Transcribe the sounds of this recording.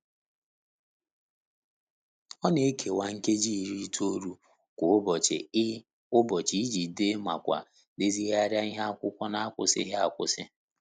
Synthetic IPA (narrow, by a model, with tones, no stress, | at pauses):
ɔ˦ne˨e˦kʰe˨wa˨ŋ̩˦ke˦d͡ʒi˦˨ɾi˦to˦ɾu˦ | kʷʊ˨˦bɔ˨t͡ʃɪ̰˨˦ | ʊ˦bɔ˨t͡ʃi˦i˦d͡ʒi˨de˦ma̰˨kʷa̰˨ | de˦zi˦ɣa˦ɾja˦i˦ɦa˦a˦kʷʊ˦kʷɔ˦na˨a˦kʷʊ̰˨sɪ̰˦ɦa˨kʷʊ̰˦sɪ˦